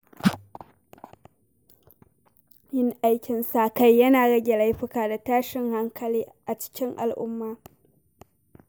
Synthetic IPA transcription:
jɪ˦ŋʔa˦jkʲɪ˨nsa˨ka˦jːɐ˦naː˨ɽɐ˦ɡʲɛ˨la˦jɸɪ˦kaː˨da˨taː˦ʃɪ˨ŋha˦ŋkʰɐ˨liː˦ʔa˨t͡ʃɪ̥˦kʲɪ˦ŋʔa̰˨lʔʊ̰˦mːaː˦

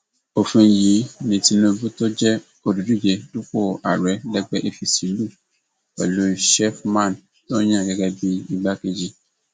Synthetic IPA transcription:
o˨fũ˧˨ji˨˦nĩ˧˨ti˧˦nũ˧˦bũ˦to˦d͡ʒɛ˦ | o˧du˨du˨˦˨d͡ʒɛ˨du˦ko˦˨a̰˨ɾɛ˨˦lɛ˦ɡ͡bɛ˦ʔe˧fi˧si˨˦lu˦˨ | kɛ̰˨lo˦ʃɛ˦fmã˦˨n | lo˦j̃ã˦˨ɡɛ˧ɡɛ˧bi˦i˧ɡ͡ba˦ke˧d͡ʒi˧

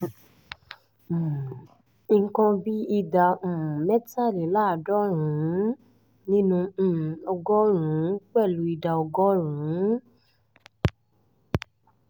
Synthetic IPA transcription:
i˧ŋ̩˦kɔ̃˧bi˦i˧dã˧˨mɛ˦ta˦˨li˨˦la˦˨dɔ˦ɾũ˨˦ | nĩ˦nũ˧˨ɔ˧ɡɔ˦ɾ̃ũ˨˦k͡pɛ˦˨lu˨˦i˧da˧ɔ˧ɡɔ˦ɾ̃ũ˨˦

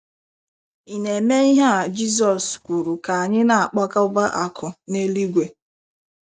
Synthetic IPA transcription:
i˨ne˨me˦i˦ɦa˦a˨d͡ʒi˦s̬ɔ˨skʷu˨ɾu˨ka˨a˨ɲɪ˦na˨a˨k͡pa˦ka˦ʊ˦ba˦ʔa˨kʰʊ˨ne˦li˦ɡʷe˨

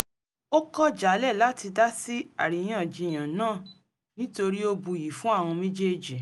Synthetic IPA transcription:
o˦kɔ˦d͡ʒa˨˦lɛ˦˨la˨˦ti˧da˦si˦a̰˨ɾi˨j̃ĩ˦ɔ˨d͡ʒi˧˨j̃ã˨nãː˦˨ | nĩ˦to˧ɾi˦o˧bu˧˨ji˨fũ˦a˦˨w̃ɔ̃˧mĩ˦d͡ʒe˦˨d͡ʒi˨

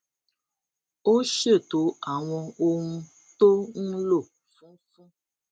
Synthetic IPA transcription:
o˦ʃe˦˨t̪o˨˦a˨w̃ɔ̃˧o˦ŋũ˦ | t̪o˦ŋ̩˦lo˦˨ | fũ˦fũ˦

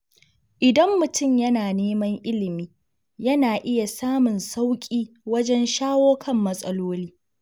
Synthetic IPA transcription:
ʔɪ˨dɐ˦mːʊ˨tʊ˦˨mjɐ˦naː˨neː˦mɐ˦ŋʔɪ˦lɪ˨miː˦ | jɐ˦naː˨ʔɪ˦ja˨saː˦mʊ˨nsa˦wkʲʼiː˦ | wɐ˦d͡ʒɛ˦nʃaː˦woː˦kʰɐ˦˨mːɐ˦sʼɐ˦loː˦liː˦

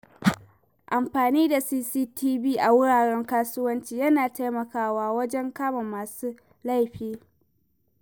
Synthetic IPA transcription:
ʔa˨mɸaː˨niː˦da˨siː˦siː˦tʰiː˦biː˦ʔa˨wʊ˦ɽaː˨ɽɛ˦ŋkaː˦sʊ˦wɐ˦nt͡ʃiː˦jɐ˦naː˨ta˦jmɐ˨kaː˦waː˦wɐ˦d͡ʒɛ˦ŋkaː˦ma˨maː˨suː˦ | la˦˨jɸiː˦

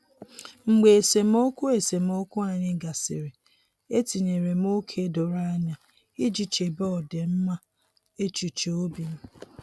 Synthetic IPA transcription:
ŋ͡m̩˨ɡ͡be˨e˨se˨m˦o˦kʷʊ˦e˨se˨mo˦kʊ˦a˨ɲɪ˦ɡa˨sɪ̰˨ɾɪ˨ | e˦ti˨ɲe˨ɾe˨m˦o˦kʰe˦do˨ɾa˦ɲa˦ | i˦d͡ʒi˨t͡ʃe˨bɔ˦˨de˨m̩˦ma˦ | e˦t͡ʃu˨t͡ʃe˨o˦bi˨m̩˦

